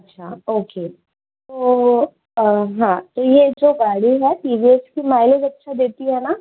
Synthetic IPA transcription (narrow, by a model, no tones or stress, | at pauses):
ɐtːɕʰaoke | t̪o | ɦãt̪ojed͡zoɡaɽiɦɛʈiʋieskimajleɡɐtːʃʰad̪et̪iɦɛna